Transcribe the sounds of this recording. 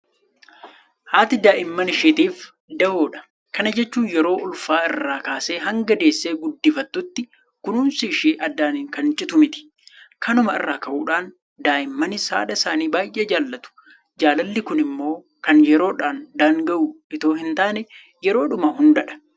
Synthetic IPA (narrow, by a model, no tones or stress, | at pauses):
haːt̪ɪd̪aːʔɪmːɐnɪʃeːt̪iːf | d̪ɐwoːᶑɐ̥ | kɐnɐd͡ʒɛt͡ʃːuːnjɛɾo̞ːʔʊlfaːɪrːaːkaːseːɦɐŋɡɐd̪e̞ːsːeːɡʊd̪ːɪfɐt̪ːʊt̪ːɪ | kʊnuːnsɪʃeːʔɐd̪ːaːnɪŋkɐnt͡ʃʼɪt̪ʊmɪt̪ɪ̥ | kʰɐnʊmɐɪ̰rːaːkɐʔuːᶑaːn | d̪aːʔɪmːɐnɪsa̰ːᶑɐɪsaːniːbaːjʔeːd͡ʒaːlːɐt̪ʊ̥ | d͡ʒaːlɐlːɪkʊnɪmːo̞ː | kɐnjɛɾo̞ːᶑaːnd̪aːŋɡɐʔu | ɪt̪o̞ːhɪnt̪aːnɛ | jɛɾo̞ːᶑʊmɐɦʊnd̪ɐᶑɐ̥